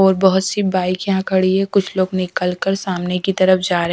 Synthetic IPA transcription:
ɔːɾbɐɦʊt̪sibaːɪkjɐɦãkʰɐɽiekʊt͡ʃʰloːɡnɪkəlkəɾsaːmnekit̪ɐɾəfd͡ʒaːɾ

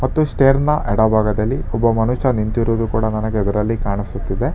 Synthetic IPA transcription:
mɐt̪ːusʈeːɾnɐʔɛɽɐbʱaːɡɐd̪ɐlːiɔbːɐmɐnuʃɐnint̪iɾoːd̪ukuːɽɐnɐnɐɡeid̪ɐɾɐlːikaːɳisut̪ːid̪e̞

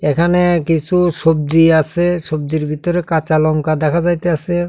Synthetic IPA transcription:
ekʰanekit͡ɕʰuʃob̚diasʰeʃobd̪iɾbʱit̪oɾekat͡ɕalɔŋkad̪ɛkʰad͡ʑajt̪easʰe

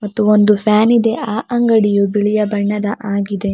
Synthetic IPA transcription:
mɐt̪ːuond̪upʰjaːnid̪e̞ʔaːʔɐŋɡɐɽijubiɭijɐbɐɳːɐd̪ɐʔaːɡid̪e̞

